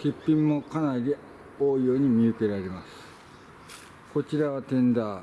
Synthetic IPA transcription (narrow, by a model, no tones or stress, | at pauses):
kʲipʲːĩmːo̞kanaɾʲidi | oːijo̞ːɲ̟imʲiɯ̟ke̞ɾaɾe̞masɨ̥ | ko̞t͡ɕiɾaβat̪ẽ̞nd̪a